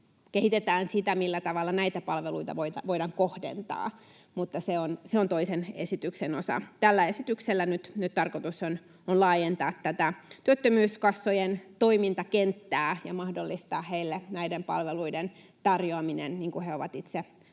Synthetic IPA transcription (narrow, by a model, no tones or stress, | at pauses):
kehit̪et̪æːnsit̪æmilːæt̪ɑʋɑlːɑnæit̪æpɑlʋeluit̪ɑ̰ʋoit̪ɑʋoidɑŋkohdḛnt̪ɑ̰ː | mut̪ːɑseonseont̪oisenḛsit̪yksenosɑ̰t̪ælːæesit̪ykselːænyt̪nyt̪t̪ɑrkot̪uson | onlɑːjent̪ɑːt̪ːæt̪æt̪yøt̪ːømyːskɑsːojent̪oimint̪ɑkent̪ːæːjɑmɑhdolːist̪ɑːheilːenæidempɑ̰lʋeluiden | t̪ɑrjoɑminḛnniːŋkuheoʋɑt̪it̪se